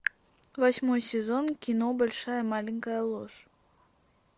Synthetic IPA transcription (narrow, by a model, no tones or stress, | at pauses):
vɐsʲmojsʲezonkʲinobɐlʲʂajəmalʲiŋʲkəjəlˠoʂ